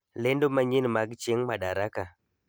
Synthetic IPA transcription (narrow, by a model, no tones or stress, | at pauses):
lendomaɲinmaɡt͡ʃeŋmaɗaɾaka